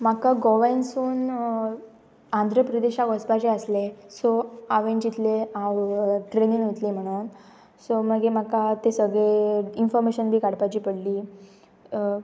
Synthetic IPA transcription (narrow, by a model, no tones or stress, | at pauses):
m̤akaɡɔʋansuːn | and̪ʱɾəpɾəd̪eɕakɔsbat͡ɕeəslesoaʋent͡ɕit̪leãwʈɾeniːŋɦot̪liːm̤əɽ̃uːn | soməɡem̤akat̪esəɡɭeinfɔɾmeɕənbʱiːkaɽpat͡ɕiːpəɽliː